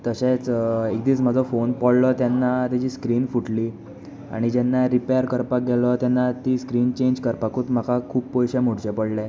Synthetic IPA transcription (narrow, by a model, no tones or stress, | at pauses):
t̪əɕet͡sekd̪iːt͡sm̤əd͡zʱɔfonpɔɭlɔt̪jɛnːat̪ɛd͡ʑiːskɾiːnfuʈliː | a̰ɽ̃id͡ʑɛnːaɾipejəɾkəɾpak̚ɡɛlɔt̪janːat̪iːskɾiːnt͡ɕeɲd͡ʑkəɾpakuːt̪m̤akakʰuːbpɔjɕɛm̤oɽt͡ɕepəɽlɛ